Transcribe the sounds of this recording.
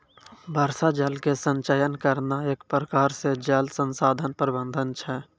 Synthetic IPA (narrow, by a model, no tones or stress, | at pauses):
bʱəɾsad͡ʒəlkesə̃nt͡ʃəjənkəɾnaeːkpɾəkaːɾsed͡ʒəlsə̃nsaːd̪ʱənpəɾbə̃nd̪ʱənt͡ʃʰɛ